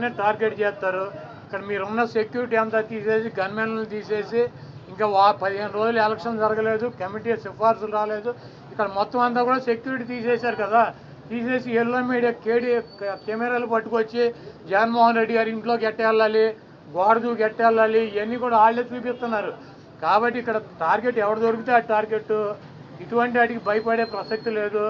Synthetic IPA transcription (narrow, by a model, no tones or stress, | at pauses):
neʈaːɾɡe̞ʈ̚t͡ʃɛːst̪aːɾu | ikːɐɽɐmiːɾunːɐsekjuːɾiʈiːɐnt̪aːt̪iːse̞ːsiɡɐnɐmɛnɐnːit̪iːse̞ːsi | iŋkaːʋaːpɐd̪iɦeːnɾo̞ːd͡ʒulɛlɐkʂɐnd͡ʒɐɾɐɡɐle̞ːd̪ukɐmiʈiːsipaːɾsulɾaːle̞ːd̪u | ikːɐɽɐmɔt̪ːɐmɐnt̪aːkuːɽaːse̞kjuːɾiʈ̬iːt̪iːseːsaːɾukɐd̪aː | t̪iːse̞ːsiɛlːoːmiːɽijaːkeːɽikɛmɛɾaːlupɐʈːukot͡ʃːid͡ʒɛɡɐnmoːɦɐnɾe̞ɖːiɡaːɾiɳʈloːkɛʈːlːaːli | ɡaːɾd̪uːkɛʈːɛlːaːliɐnːiːkuːɽaaːɭːeːt͡ʃuːpist̪unːaːɾu | kaːbɐʈːiːkːɐɽɐʈaːɾɡe̞ʈːɛʋɐɽud̪oɾukut̪eaʈaːɾɡe̞ʈːu | iʈuʋɐɳʈiaːʈikibɐjɐpɐɽe̞ːpɾɐsek̚ʈule̞ːd̪u